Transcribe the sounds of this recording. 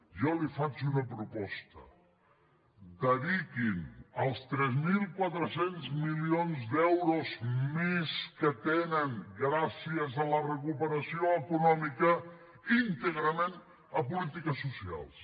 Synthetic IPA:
ʒɔlifat͡ʃunəpɾupɔst̪ə | d̪əðikinəlˠst̪ɾɛzmilˠkwat̪ɾəsenzmilionzd̪ɛwɾozmeskət̪enəŋɡɾasiəzələrəkupəɾəsioəkunɔmikə | int̪əɣɾəmen | əpulit̪ikəsːusia̰lˠs

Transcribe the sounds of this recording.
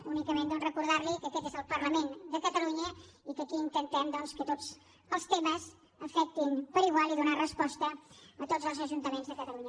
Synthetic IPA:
unikəmend̪ɔnrəkuɾðaɾlikəkɛt̪ezəlˠpərləmend̪əkət̪əluɲəikəkiːnt̪ənt̪ɛmd̪ɔnskət̪oz | əlˠst̪eməz | əfɛk̚t̪inpəɾiɣwalˠiðunarəspɔst̪əət̪otzəlˠzəʒunt̪əmenzðəkət̪əluɲə

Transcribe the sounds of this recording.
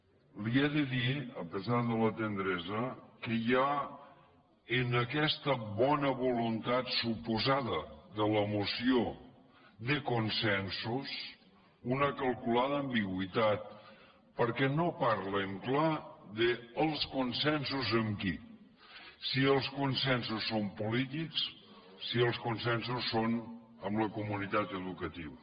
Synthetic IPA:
liɛðəðiəpəzaɾðələt̪ənd̪ɾɛzəkəja | ənəkɛst̪əβɔnəβulunt̪at̪supuzaðəðələmusio | ðəkunsɛnsus | unəkəlˠkulaðəːmbiɣwit̪at̪̚ | pəɾkɛnopaɾləŋklaðəːlˠskunsɛnsuzəmki | siəlˠskunsɛnsusːompulit̪iks | siəlˠskunsɛns̬usːon | əmləkumunit̪at̪əðukət̪iβə

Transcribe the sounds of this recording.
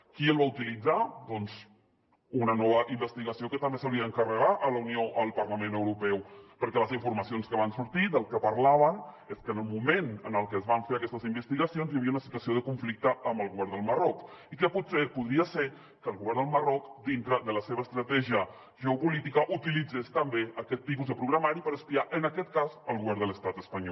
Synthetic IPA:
kiəlˠβaut̪ilid͡zad̪ɔnz | unənɔβəʔimbəst̪iɣəsiokət̪əmbesawliəəŋkərəɣaʔələunioʔəlˠpəɾləmenəwɾupɛwpəɾkɛləziɱfuɾməsionskəβ̞ansuɾt̪iðəlˠkəpəɾlaβ̞ən | eskənəlˠmumenənəlˠkəzβaɱfeɾəkɛst̪əzimbəst̪iɣəsionzjəβiəunəsit̪wəsioð̞əkuɱflik̚t̪əːmbəlˠɣuβɛɾnd̪əlˠmərɔkikəput̪sepuðɾiəse | kəːlˠɣuβɛɾnd̪əlˠmərɔkd̪int̪ɾəðələseβəːst̪ɾət̪ɛʒiə | ʒəupulit̪ikəʔut̪ilid͡zest̪əmbeəkɛt̪ːip̬uzðəpɾuɣɾəmaɾipəɾəspiaʔənəkɛt̪̚kazəlˠɣuβɛɾnd̪ələst̪at̪əspəɲɔ

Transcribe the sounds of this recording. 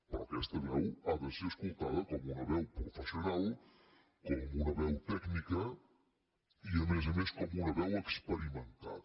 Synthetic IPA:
pɾɔ̰kɛst̪əβɛwaðəseɾəskulˠt̪aðəkɔmunəβɛwpɾufəsiunalˠ | kɔmunəβɛwt̪ɛknikə | iəmezəmeskɔmunəβɛwəkspəɾimənt̪a̰

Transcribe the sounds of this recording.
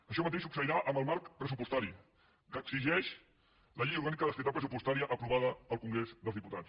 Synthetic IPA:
əʃɔmət̪eʃsuksəiɾaʔəməlˠmaɾkpɾəsupust̪aɾi | kəɡziʒɛʃ | ləʎejuɾɣanikəðəst̪it̪alˠpɾəsupust̪aɾiəʔːpɾuβaðəəlˠkuŋɡɾezðəlzðiput̪att͡ss

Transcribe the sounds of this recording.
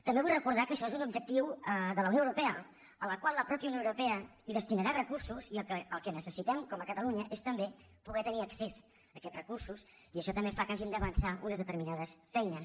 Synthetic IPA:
t̪əmbeβujrəkuɾð̞akəʃɔezunubʒək̚t̪iwəðələwnjõəwɾupɛə | ələkwalˠəpɾɔpjəuwnjoewɾupɛəiðəst̪inəɾarəkursuziəkəəlˠkənəsəsit̪ɛmkɔməkət̪əluɲəʔest̪əmbepuɣɛt̪əniəkses | əkɛt̪rəkursus | iəʃɔt̪əmbefakaʒimd̪əβənsaunəzðət̪əɾminað̞əsfɛjnə

